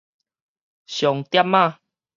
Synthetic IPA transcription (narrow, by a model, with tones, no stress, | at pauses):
ɕjɔ˨˩ŋt̪ja˦mːã˥˧˨